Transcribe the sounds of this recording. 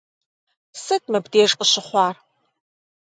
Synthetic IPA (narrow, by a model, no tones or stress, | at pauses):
sɨtmɐbdeːʂʼqʼəɕɪχʷɑːr